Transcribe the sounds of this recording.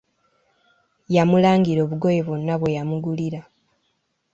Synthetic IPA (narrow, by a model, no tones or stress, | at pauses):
jamulaːŋɡiɾo̞ːβuɡo̞jeβonːaβwe̞jamuɡuliɾa